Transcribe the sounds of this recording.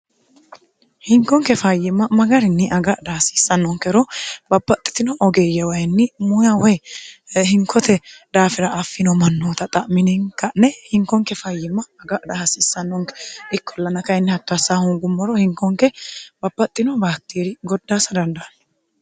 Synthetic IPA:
hɪŋkːɔŋkɛfɐjɪmːɐmɐɡɐɾɪnːɪʔɐɡɐʔd̪ɐhɐsi̥ːsːɐnːɔŋkɛɾɔbɐbːɐt̪ʼːɪ̥t̪ɪnɔʔɔɡɛjɐwɐjnːɪmʊjɐwɛjhɪŋkʰːɔt̪ɛd̪aːfɪɾɐʔːfːɪnɔmɐnːoːt̪ɐt̪ʼɐʔmɪnɪŋkːɐnɛhɪŋkːɔŋkɛfɐjːɪmːɐːɡɐʔd̪ɐhɐsiːsːɐnːɔŋkɛʔɪkːɔlːɐnɐkɐɪnːɪhɐkːɐsːaːhʊŋɡʊmːɔɾɔhɪŋkːɔŋkɛbɐbːɐt̪ʼːɪnɔbaːtːiːɾɪɡɔd̪ːaːsɐd̪ɐnd̪ɐʔɐnː

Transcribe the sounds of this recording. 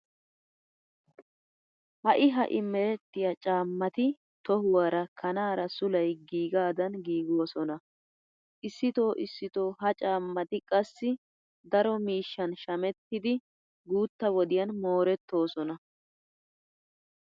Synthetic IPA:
hɐʔɪɦɐ̰ʔɪmːɛɾɛt̪ːɪjɐt͡ʃʼaːmːɐt̪ɪ | t̪ɔhʊwaɾɐkʰɐnaːɾɐsʊlɐjɡiːɡaːd̪ɐnɡiːɡo̞ːsɔnɐ | ʔɪsːɪt̪o̞ːʔɪsːɪt̪o̞ːɦɐt͡ʃʼaːmːɐt̪ɪkʼɐsːɪ | d̪ɐɾɔmiːʃːɐnʃɐmɛt̪ːɪd̪ɪ | ɡuːt̪ːɐwɔd̪ɪjɐnmo̞ːɾɛt̪ːo̞ːsɔnɐ

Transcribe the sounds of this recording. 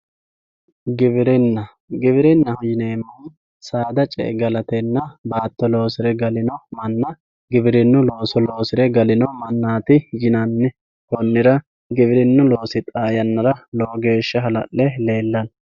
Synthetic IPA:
ɡɪbɪɾɪnːɐ | ɡɪbɪɾɛnːɐhʊjɪneːmːɐn | saːd̪ɐt͡ʃʼɛ̰ɡɐlɐt̪ɛnːɐbaːt̪ːɔlo̞ːsɪɾɛɡɐlɪnɔmɐnːɐ | ɡɪbɪɾɪnːʊlo̞ːsɔlo̞ːsɪɾɛɡɐlɪnɔmɐnːaːt̪ɪjɪnɐnːɪ | hɔnːɪɾɐ | ɡɪbɪɾɪnːʊlo̞ːsɪt̪ʼaːjɐnːɐɾɐloːɡe̞ːʃːɐɦɐlɐ̰ʔːɛle̞ːlːɐn

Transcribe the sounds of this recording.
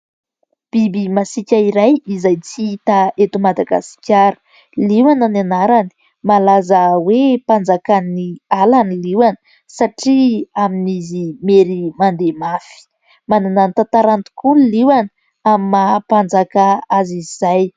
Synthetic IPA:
b̥ibimasikʲaiɾajizajt͡siit̪aet̪umad̪aɡa̰si̥kʲaɾə̥ | liwanananaɾani̥ | malazəwepand͡zakanialaniliwanə̥ | saʈ͡ʂiaminizimeɾimand̪emafi̥ | manunanit̪at̪aɾant̪u̥kuliwanə | amimapand͡zakaaziz̥aj

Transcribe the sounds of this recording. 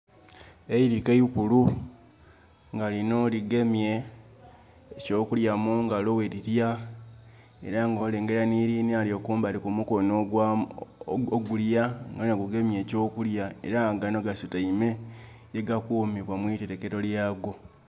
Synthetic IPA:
e̞iɾikejukulu | ŋɡalino̞liɡe̞mje̞ | co̞ːkuljamuŋɡalowe̞ɾiɾja | e̞̰ɾaŋɡo̞ːle̞ːŋɡe̞ɾaniːɾinialjo̞kuːmbalikumukonoɡwa | oɡuljaŋɡanaɡuɡe̞mje̞ːco̞ːkuljae̞̰ɾaɡanoɡasutaime̞ | eɡakumiβwamwiteɾeke̞ɾo̞ljaːɡo̞

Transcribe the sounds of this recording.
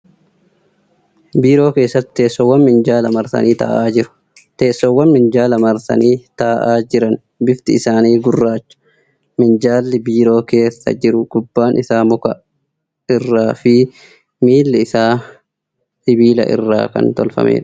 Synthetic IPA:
biːɾo̞ːke̞ːsːɐt̪ɪ̥t̪e̞ːsːɔwːɐnmɪnd͡ʒaːlɐmɐɾsɐ̰niːt̪ɐ̰ːʔaːd͡ʒɪɾʊ̥ | t̪e̞ːsːɔwːɐnmɪnd͡ʒaːlɐmɐɾsɐ̰niːt̪aːʔaːd͡ʒɪɾɐn | bɪft̪ɪɪsaːniːɡʊrːaːt͡ʃːʊ̥ | mɪnd͡ʒaːlːɪbiːɾo̞ːke̞ːsːɐ̰d͡ʒɪɾʊɡ̥ʊbːaːnʔɪsaːmʊkɐ̰ | ɪrːaːfɪ | miːlːɪɪsaː | sɪbiːlɐ̰ʔɪ̰rːa̰ːkɐ̰nt̪ɔlfɐ̰mḛːᶑɐ̥

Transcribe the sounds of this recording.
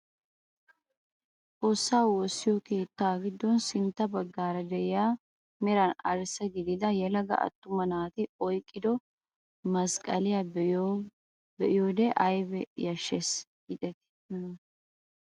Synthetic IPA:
ʔʼoːsːaːwosːɪjɔkeːt̪ːaːɡɪd̪ːɔnsɪnt̪ːɐbɐɡːaːɾɐd̪ɛʔɪjaː | mɛɾɐnɐɾsɛɡɪd̪ɪd̪ɐjɛlɐɡɐ̰ʔɐ̰t̪ːʊmɐnaːt̪ɪɔjkʼːɪd̪ɔ | mɐskʼɐlɪja | bɛʔɪjoːd̪ɛʔɐjbɛjɐʃːes | ɡɪt̪ʼɛt̪ɪ̥

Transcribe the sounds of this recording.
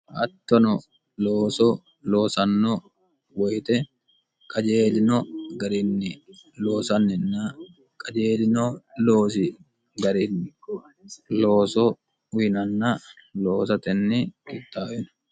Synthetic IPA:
ʔɐt̪ːɔnɔ | loːsɔ | loːsɐnːɔ | wɔjt̪ɛ | kʼɐd͡ʒeːlɪnɔɡɐɾɪnːɪloːsɐnːɛnːɐ | kʼɐd͡ʒeːlɪnɔloːsɪ | ɡɐɾɪnː | loːsɔ | ʊnɐnːɐ | loːsɐt̪ɛnːɪkʼɪt̪ːaːwɪn

